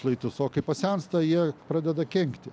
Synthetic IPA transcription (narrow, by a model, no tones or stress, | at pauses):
lˠɐɪt̪ʊsoːkɐɪpɐsʲɛnst̪ɐjiɛpɾɑːd̪ʲɛd̪ɐkʲɛŋkt̪ʲɪ